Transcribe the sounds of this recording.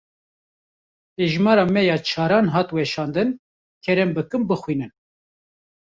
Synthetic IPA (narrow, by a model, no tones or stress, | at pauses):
peːʒmɑːɾɑːmɛjɑːt͡ʃʰɑːɾɑːnɦɑːt̪wɛʃɑːnd̪ɨn | kʲʰɛɾɛmbɨkɨmbɨxwiːnɨn